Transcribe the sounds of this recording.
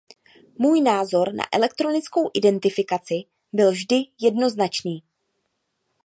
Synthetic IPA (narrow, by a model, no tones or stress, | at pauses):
muːjnaːzo̞ɾna̰ʔɛ̰lɛk̚t̪ɾo̞nɪt͡sko̞wʔɪdɛnt̪ɪfɪkat͡sɪ | bɪlvʒdɪjɛdno̞znat͡ʃniː